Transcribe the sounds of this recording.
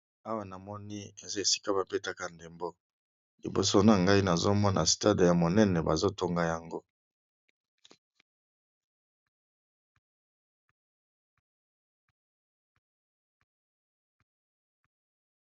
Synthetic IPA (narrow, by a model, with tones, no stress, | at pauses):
a˦wa˨na˨mɔ˦ni˦e˨za˦e˨si̥˦ka˦ba˨pe˦ta˦ka˨nde˨mbo˦ | lḭ˨bo̰˨so˦na˨ŋɡa˦i˦na˨zo˦mɔ˦nʔa̰˨sta˦de˨ja˨mo˨nɛ˦nɛ˨ba˨zo˦to˦ŋɡa˦ja˨ŋɡo˦